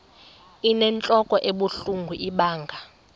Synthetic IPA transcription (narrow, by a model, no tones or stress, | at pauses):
inɛnt͡ɬʼɔkʼɔʔeɓuɬuŋɡʱuʔiɓaːŋɡʱa